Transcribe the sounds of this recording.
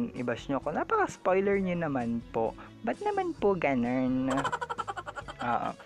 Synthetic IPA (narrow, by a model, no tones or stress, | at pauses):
ŋʔɪbɐsɲoɐkonapɐkɐspojlɛɹɲonɐmanpo̞̰ʔ | bɐt̪̚nɐmanpoɡɐnon | ʔo̰ːʔo̰